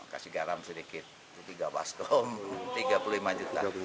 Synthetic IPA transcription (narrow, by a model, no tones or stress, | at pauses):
ka̰siɡaɾamsədikɪt̪̚ː | ut̪iɡaba̰skɔmt̪iɡapuluimaɲd͡ʒut̪a̰